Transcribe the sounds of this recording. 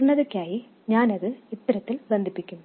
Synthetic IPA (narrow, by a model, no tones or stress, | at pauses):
ɳːɐðɐkʲːaːji | ɲaːnɐðɨit̪ːɐɾɐt̪ːilbend̪ʱipːikʲːumː